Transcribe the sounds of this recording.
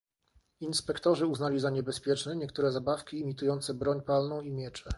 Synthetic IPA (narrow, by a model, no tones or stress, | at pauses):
inspɛkt̪ɔʐɘuznalʲizaɲɛbɛspʲjɛt͡ʂnɛɲɛkt̪uɾɛzabafkʲiːmʲit̪ujɔnt̪sɛbɾɔɲpalnɔ̃w̃imʲjɛt͡ʂɛ